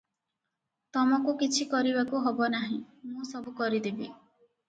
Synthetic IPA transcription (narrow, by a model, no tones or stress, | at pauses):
t̪ɔmɔkukit͡ʃʰikɔɾibakuɦɔbɔnaɦĩ | mũsɔbukɔɾid̪ebi